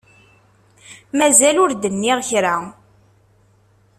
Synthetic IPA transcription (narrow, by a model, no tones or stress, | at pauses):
mæzælʊɾd̪ənːiʁçɾa